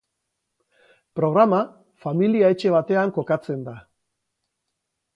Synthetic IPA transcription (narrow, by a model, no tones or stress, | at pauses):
pɾo̞ɣ̞ɾama | familiae̞t͡ʃe̞β̞at̪e̞aŋko̞kat͡se̞nd̪a